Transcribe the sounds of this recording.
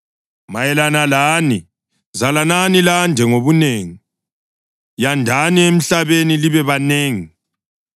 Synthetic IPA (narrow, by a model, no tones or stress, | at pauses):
majɛlanalani | zalananiland͡ʒʱɛŋoβuneːŋi | jandʱaniem̩ɬaβeniliβɛβaneːŋi